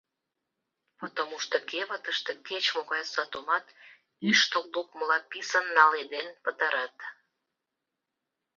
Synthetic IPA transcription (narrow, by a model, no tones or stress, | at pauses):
pot̪omuʃt̪əkeβət̪əʃt̪e̽ket͡ɕmoɣɑjsɑt̪omɑt̪ | yʃt̪olluk̚məlɑpisənːɑled̪enpət̪ɑɾɑt̪